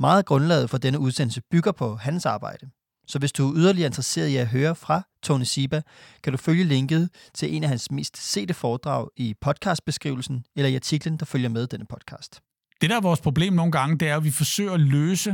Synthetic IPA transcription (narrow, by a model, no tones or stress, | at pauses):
mɑ̈ːð̩ˠɡ̥ʁɔ̽nlɛ̰ːfɒ̽d̥enəuð̞ˠsen̰l̩səb̥yɡ̥ɐpʰɒ̽ɦænsɑ̈ːb̥ɑ̈ɪ̰d̥ə | sɒ̽ʋe̝sd̥uæyðˠɐliɐe̝nd̥ʁɐse̝̰ːɐð̞ˠiæɦøːɐfʁɑ̈t͡sʰɒnisib̥æ | kʰæd̥uføljəle̝ŋɡ̥ð̞̩ˠt͡sʰe̝lʔe̝̰næɦænsme̝̰ːsd̥se̝̰ːd̥əfɒːd̥ʁɑ̰̈ʊ̰ipʰɒ̽d̥̚kʰɑ̈ːsd̥̚b̥e̝sɡ̥ʁḭʊl̩sn̩elɐiɑ̈t͡sʰiɡ̥lənd̥ɑ̈føljɐmeð̞ˠd̥enəpʰɒ̽d̥̚kʰɑ̰̈ːsd̥ | d̥e̝ɾææɐʋɒːspʰʁo̝b̥le̝̰ːmno̝ːn̩ɡ̥ɑ̈ŋəd̥e̝æɐʋifɒ̽sø̰ɪ̰ɐløːsə